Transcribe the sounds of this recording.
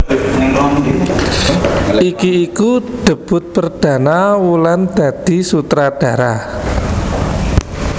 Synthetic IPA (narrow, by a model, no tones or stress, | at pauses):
ikiikud̪̥ə̤b̥ʊ̤t̪̚pərd̪̥ä̤nawuland̪̥ä̤d̪̥i̤sut̪ɾad̥a̤ɾa